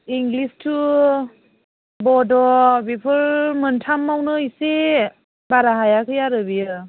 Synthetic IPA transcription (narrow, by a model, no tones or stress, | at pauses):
iŋɡlistʰu | bɔdɔbipʰɯɾmɯntʰamːawnɯise | baɾaɦajakʰɯjaɾɯbijɯ